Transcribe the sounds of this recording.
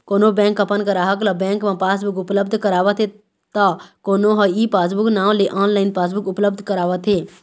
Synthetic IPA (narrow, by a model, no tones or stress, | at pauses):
koːnobɛ̃ːŋkəpənkəɾaːɦəkləbɛ̃ːŋkmãpaːsbʊkʊpləb̚d̪ʱkəɾaːʋət̪ʰe | t̪akoːnoɦɐiːpaːs̬bʊknãːʋ̃leʔaːnlaːɪnpaːs̬bʊkʊpləbd̪ʱkəɾaːʋət̪ʰeː